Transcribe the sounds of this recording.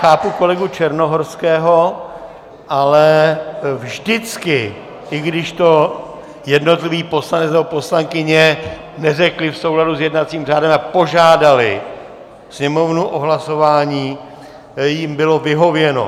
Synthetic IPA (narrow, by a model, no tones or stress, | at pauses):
xaːpuko̞lɛɡut͡ʃɛɾno̞ɦo̞ɾskɛːɦo̞ | ʔalɛ | vʒdɪt͡skɪ | ʔɪɡdɪʃt̪o̞ | jɛdno̞t̪lɪviːpo̞slanɛt͡snɛbopo̞slaŋkɪɲɛ | nɛrɛklɪfso̞wladuzsjɛdnat̪t͡siːmr̝aːdɛmapo̞ʒaːdalɪ̰ | sɲɛmo̞vnuʔoɦlaso̞vaːɲiː | jɪmbɪlo̞vɪɦo̞vjɛno̞̰